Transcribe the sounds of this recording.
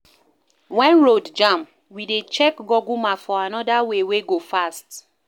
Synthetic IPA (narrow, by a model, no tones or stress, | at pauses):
wɛ̃nɹodd͡ʒãm | widet͡ʃɛkɡɔɡumafɔanɔdaweweɡofast